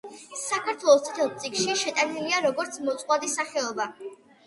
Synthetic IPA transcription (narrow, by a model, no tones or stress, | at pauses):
sakʰaɾt̪ʰwɛlˠɔst̪ʰɛ̥t̪ʰɛlˠpt̪sʼikʃiʃɛt̪ʼaniliaɾɔɡɔɾt̪sʰmɔt̪sʼqʼwad̪isaχɛɔba